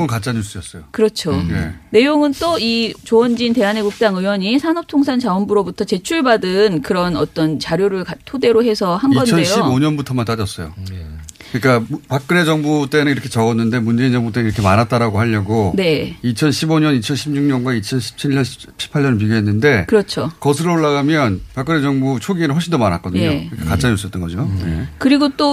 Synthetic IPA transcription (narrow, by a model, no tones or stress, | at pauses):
unkat͡ɕ͈aɲuɭs͈ujʌs͈ʌjokɯɾʌt͡ɕʰone̞ne̞joŋɯnt͈oit͡ɕoʌnd͡ʑinte̞ane̞ɡuk̚t͡ɕ͈aŋɯjwʌɲisʰanʌp̚tʰoŋsʰant͡ɕaʌmbuɾobutʰʌt͡ɕe̞t͡ɕʰuɭbadɯnkɯɾʌnʌt͈ʌnt͡ɕaɾjoɾɯɭkatʰode̞ɾoɦe̞sʰʌhanɡʌnt͡ɕʰʌnejɕoiboɲʌnbutʰʌmant͈ad͡ʑʌs͈ʌjo̰ | kɯɲik͈apak͈ɯne̞d͡ʑʌŋbut͈e̞nɯniɾʌkʰet͡ɕʌɡʌnːɯnde̞mund͡ʑe̞ind͡ʑʌŋbut͈eiɾʌkʰemanɦat̚t͈aɾaɡoɦaʎːʌɡone̞it͡ɕʰʌnɕʰiboɲʌnit͡ɕʰʌnɕʰimɲuŋɲʌnɡwait͡ɕʰʌnɕʰi̥p̚t͡ɕʰiɭːʌnɕʰi̥ | p̚ɕʰi̥pʰaʎːʌnɭp̬iɡjoɦe̞nːɯnde̞kɯɾʌt͡ɕʰokʌsʰɯɾɯɭoɭːaɡamjʌnpak͈ɯned͡ʑʌŋbut͡ɕʰoɡinɯnɦoɭɕ͈ʰindomanɦat̚k͈ʌdɯɲokɯɲik͈akat͡ɕ͈aɲʌs͈ʌt͈ʌnɡʌd͡ʑoje̞̰kɯɾiɡot͈o